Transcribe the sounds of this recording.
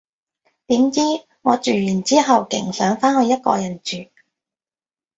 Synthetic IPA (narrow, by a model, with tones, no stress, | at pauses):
t̪iː˨˥mt͡siː˥ | ŋɔː˨˧t͡ʃyː˨˩jyː˨˩nt͡siː˥ɦɐ˨wkɪ̰˨˩ŋsœː˨˥ŋfaː˥nhɵ˨˧ɥjɐ˥t̚kɔ̰ː˧jɐ˨˩nt͡ʃyː˨